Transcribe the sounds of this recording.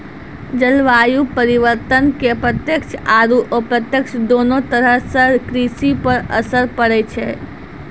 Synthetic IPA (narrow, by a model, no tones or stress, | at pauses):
d͡ʒəlʋajupəɾiʋəɾt̪ənkepɾət̪jəkʃʰaɾuʔopɾət̪jəkt͡ʃd̪onot̪əɾəɦsəkɾisipəɾə̰səɾpəɽɛt͡ʃʰe